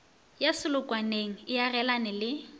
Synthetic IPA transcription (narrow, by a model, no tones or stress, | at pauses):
jasɪlʊkʼwaneŋ̩ɪjarɛlanɪlɪ